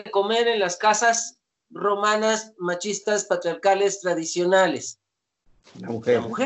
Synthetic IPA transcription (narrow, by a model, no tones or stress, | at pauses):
eko̞meɾenlaskasas | ro̞manasmat͡ʃist̪aspat̪ɾjaɾkalest̪ɾaðisjo̞nales | uemuxe